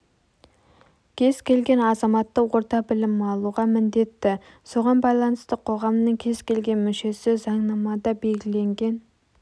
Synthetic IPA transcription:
kʲʰe̞zkʲʰe̞lɡʲe̞nɑzɑmɑt̪ːəwo̞ɾt̪ɑbɪlɪmɑlˠuʁɑmɪnd̪e̞t̪ːɪ | so̞ʁɑnbɑjlˠɑnəst̪əqʰo̞ʁɑmnəŋkʲʰe̞zkʲʰe̞lɡʲe̞nmʏʃe̞sɪzɑɴnɑmɑd̪ɑbe̞lɡʲɪle̞ŋɡʲe̞n

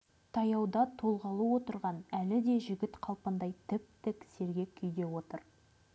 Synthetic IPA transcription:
t̪ʰɑjɑwd̪ɑt̪ʰo̞lˠʁɑlˠəwo̞t̪əɾʁɑnælɪd̪e̞ʒɪɡʲɪt̪qʰɑlˠpənd̪ɑjt̪ʰɪp̚t̪ɪkʲse̞ɾɡʲe̞kʲʰʏjd̪e̞wo̞t̪əɾ

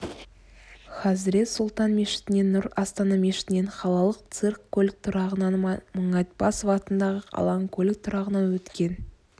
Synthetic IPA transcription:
χɑzɾe̞t̪sʊlˠt̪ɑnme̞ʃɪ̥t̪ɪne̞nːʊɾɑst̪ɑnɑme̞ʃɪ̥t̪ɪne̞ɴχɑlˠɑlˠəq̚t̪sɨrkʰːɵlʲɪk̚t̪ʰʊɾɑʁənɑnmɑməɴɑt̪̚bɑsovɑt̪ənd̪ɑʁəɑ̰lˠɑŋkʰolʲɪk̚t̪ʰʊɾɑʁənɑwɵt̪kʲe̞n

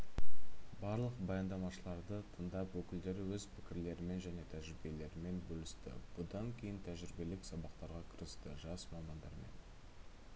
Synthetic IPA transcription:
bɑɾlˠəqbɑjɑnd̪ɑmɑʃəlˠɑɾd̪ət̪ʰənd̪ɑpwɵkʲɪld̪e̞ɾɪwɵzpʰɪ̥kʲɪɾle̞ɾɪme̞nʒæne̞t̪ʰæʒɪɾɪbe̞le̞ɾɪme̞nbɵlɪst̪ɪ̰b̥ʊd̪ɑŋkʲʰe̞jɪnt̪ʰæʒɪɾɪbe̞lɪksɑbɑqt̪ɑɾʁɑkʲʰə̥ɾəst̪əʒɑsmɑmɑnd̪ɑ̰ɾme̞̰n

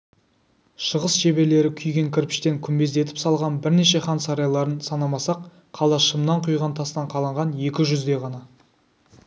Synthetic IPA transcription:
ʃəʁəsʒe̞be̞le̞ɾɪkʲʰʏjɡʲe̞ŋkʲʰɪɾpɪ̥ʃt̪e̞ŋkʲʰʏmbe̞zd̪e̞t̪ɪ̥psɑlˠʁɑnbɪɾne̞ʃe̞χɑnsɑɾɑjlˠɑɾənsɑnɑmɑsɑqʰː | ɑlˠɑʃəmnɑɴqʰujʁɑnt̪ʰɑst̪ɑɴqʰɑlˠɑɴʁɑnje̞kʲɪʒʏzd̪e̞ʁɑnɑ

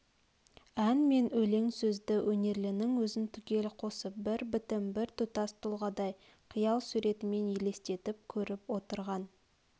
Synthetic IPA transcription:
ænme̞nɵleŋsɵzd̪ɪwʔɵne̞ɾlɪnɪŋwɵzɪnt̪ʰʏkʲe̞lqʰo̞səp̚bɪɾbɪt̪ɪmbɪɾt̪ʰʊt̪ɑst̪ʰʊlˠʁɑd̪ɑj | qʰijɑlˠsuɾe̞t̪ɪme̞njele̞st̪e̞t̪ɪp̚kʲʰɵɾɪpwo̞t̪əɾʁɑn

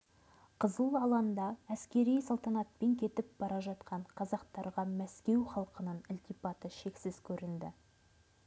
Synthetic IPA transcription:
qʰəzəlˠɑlˠɑnd̪ɑæskʲe̞ɾijsɑlˠt̪ɑnɑt̪̚pe̞ŋkʲʰe̞t̪ɪp̚bɑɾɑʒɑt̪qɑɴqʰɑzɑqt̪ɑɾʁɑmæskʲe̞wχɑlˠqənənɪlʲt̪ijpɑt̪əʃe̞ksɪzkʲʰɵɾɪnd̪ɪ̰

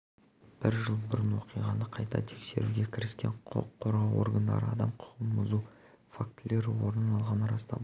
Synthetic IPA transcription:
b̥ɪɾʒəlˠbʊɾənwo̞qijʁɑnəqʰɑjt̪ɑ̰t̪ʰe̞kse̞̰ɾuɡʲe̞kʲʰɪɾɪskʲe̞̰ɴʰo̰qʰːoɾɑwo̞̰ɾɡənd̪ɑ̰ɾə̰ɑd̪ɑmqʰʊ̥qənbʊzu | fak̚t̪ɪle̞ɾɪwo̞ɾənɑlˠʁɑnɾɑst̪ɑ

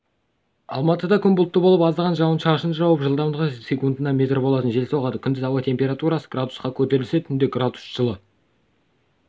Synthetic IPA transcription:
ɑ̰lˠmɑt̪əd̪ɑkʲʰʏnbʊlˠt̪ːəbo̞lˠəpɑzəlʁɑnʒɑwənʃɑʃənʒɑwəpʒəlˠd̪ɑmd̪ʁəsʲe̞kund̪ənɑmʲe̞t̪rbo̞lˠɑt̪ənʒe̞lsoʁɑd̪əkʲʰʏnd̪ɪzɑwɑt̪ʰe̞mpʲe̞ɾat̪uɾɑsəɡrad̪usqɑkʲʰɵt̪e̞ɾɪlɪset̪ʰʏnd̪eɡrad̪u̥sʒ̥əlˠə

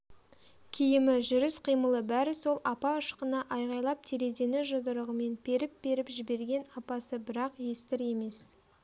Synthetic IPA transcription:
kʲʰijɪmɪʒʏɾɪsqʰijməlˠəbæɾɪso̞lˠɑpɑəʃqənɑʔɑjʁɑjlˠɑp̚t̪ʰeɾe̞d̪e̞nɪʒod̪əɾəʁəme̞nb̥e̞ɾɪp̚be̞ɾɪpʒɪbe̞ɾɡʲe̞nɑpɑsəbɪɾɑqje̞st̪ɪɾe̞me̞s

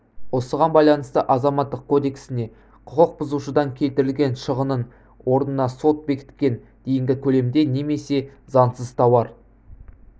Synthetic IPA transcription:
wo̞səʁɑnbɑjlˠɑnəst̪əʔɑzɑmɑt̪ːəqkʰo̞d̪e̞ksɪne̞ | qʰʊqəq̚bʊzuʃəd̪ɑŋkʲʰe̞lt̪ɪɾɪlɡʲe̞nʃəʁənən | wʔo̞ɾənənɑso̞t̪̚be̞kʲɪ̥t̪kʲe̞n | d̪̥e̞jɪŋɡʲɪkʲʰɵle̞md̪e̞ne̞me̞se̞zɑnsəzt̪ʰɑwɑɾ

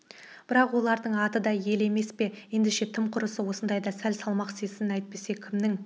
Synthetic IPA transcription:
bbɪɾɑqwo̞lˠɑɾd̪əɴɑt̪əd̪ɑje̞le̞me̞spe̞je̞nd̪ɪʃe̞t̪ʰɪmqʰʊɾəsəwo̞sənd̪ɑjd̪ɑsælsɑlˠmɑqsesɪnæjt̪̚pe̞se̞kʲʰɪmnɪŋ

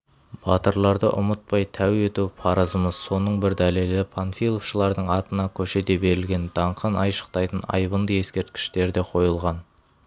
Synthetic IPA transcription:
b̥ɑt̪əɾlˠɑɾd̪əʔʊmət̪̚pɑjt̪ʰæwe̞t̪uwpʰɑɾəzəməz̥so̞nəɴbɪɾd̪æle̞lɪpʰonfʲilˠofʃəlˠɑɾd̪əɴɑt̪ənɑkʲʰɵʃe̞d̪e̞be̞ɾɪlɡʲe̞nd̪̥ɑɴqʰənɑjʃə̥qt̪ɑjt̪ənɑ̰jbənd̪əje̞skʲe̞ɾt̪̚kʲɪ̥ʃt̪e̞ɾd̪e̞qʰo̞jəlˠʁɑn

